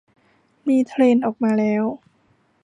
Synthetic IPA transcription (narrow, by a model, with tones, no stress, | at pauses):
miː˧t̪ʰɾeː˧nʔɔː˨˩k̚maː˧lɛː˦˥w